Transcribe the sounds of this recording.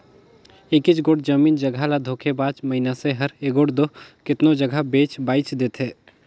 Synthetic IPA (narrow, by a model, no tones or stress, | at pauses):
ekɪt͡ʃɡoːɽd͡ʒəmiːnd͡ʒəɡʱalad̪ʱoːkʰebaːt͡ʃməɦinaseɦɐɾeɡoːɽd̪okɪt̪nod͡ʒəɡʱabeːt͡ʃbaːɪt͡ʃd̪eːt̪ʰɦeː